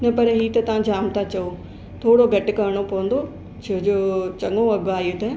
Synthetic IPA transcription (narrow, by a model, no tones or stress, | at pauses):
nɐpɐɾɦiːt̪ɐt̪ɐʋ̤ãd͡ʑaːmt̪ʰat͡ɕɐo | t̪ʰoːɽoɡʱɐʈɪkɐɾɪɽ̃opɐʋə̃n̆d̪o | t͡ɕʰɐd͡ʑoːt͡ɕɐŋõɐɡaːiot̪ɐ